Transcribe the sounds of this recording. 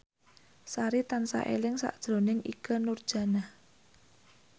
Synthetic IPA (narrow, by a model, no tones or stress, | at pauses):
saɾit̪ansa̰ʔḛlɪŋsa̰ʔd̥ʒ̥ɾo̤nɪŋʔikənurd̥ʒ̥ä̤nah